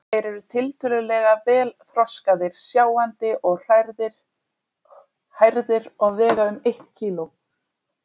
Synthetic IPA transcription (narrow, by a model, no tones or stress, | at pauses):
ɛɾʏɾʏt̪ʰɪlt̪ʏlʏlɛɣavɛːlθɾɔskaðɪɾ̥sjaːwant̪ɪʔɔɣr̥aðɪ | hajɾðɪɾɔɣvɛːɣaʏmejht̪cʰiːlʊ